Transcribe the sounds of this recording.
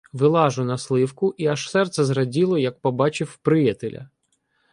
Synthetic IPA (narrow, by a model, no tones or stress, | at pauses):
ʋɪlˠɑʒʊnɐslˠɪwkʊʔiɐʃsɛrt̪sɛzrɐdʲilˠɔjɐk̚pɔbɑt͡ʃɪwpɾɪjɐt̪elʲʔɐ̰